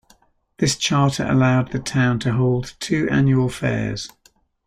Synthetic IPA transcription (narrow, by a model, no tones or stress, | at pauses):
ðɪst͡ʃʰɑˑtʰəɹə̰laʊd̪̚ðətʰãʊ̃ntʰəɦɒʊlˠdtʰʉːʔã̰njuəlˠfɛ̰ːz̥